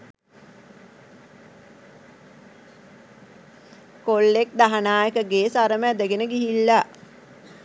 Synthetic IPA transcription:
kolːek̚d̪aɦanaːjəkəɡeːsaɾəməæd̪əɡenəɡiɦilːa

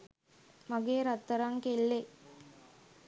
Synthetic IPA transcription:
maɡeːɾat̪ːəɾaŋkelːe

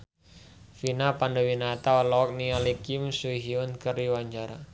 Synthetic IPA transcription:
finapandawinat̪aɔlɔk̚nialikimsuɦiʊnkəriwaɲd͡ʒaɾa

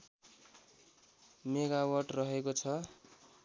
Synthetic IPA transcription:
meɡawʌrʈrʌɦekot͡sʰʌ

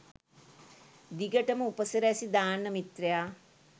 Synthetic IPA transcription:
d̪iɡəʈəməupəsəɾəæsid̪aːnːəmit̪rejaː

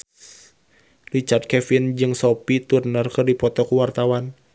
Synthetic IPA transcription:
rit͡ʃard̪̚kɛfind͡ʒɨŋsɔpit̪urnərkɨrdipɔt̪ɔkuwart̪awan

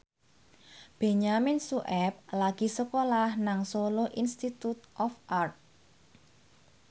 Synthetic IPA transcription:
b̥e̤ɲamɪnsuʔɛp̚laɡ̥i̤səkolahnaŋsoloʔinst̪it̪ut̪ʔɔfʔart̪̚

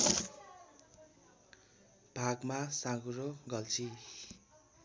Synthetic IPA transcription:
b̥ʱaɡmasãɡuɾoɡʌlt͡sʰi

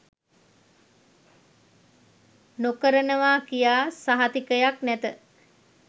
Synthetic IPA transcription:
nokəɾənəʋaːkijaːsaɦat̪ikəjaknæt̪ə

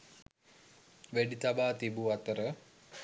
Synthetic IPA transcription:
ʋæɖit̪abaːt̪ibuat̪əɾə

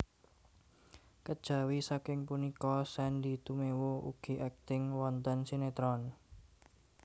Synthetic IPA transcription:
kəd̥ʒ̥a̤wisakɪŋpunikɔsɛnd̪i̤t̪umewouɡ̥i̤ʔɛk̚t̪ɪŋwɔnt̪ənsinet̪ɾɔn

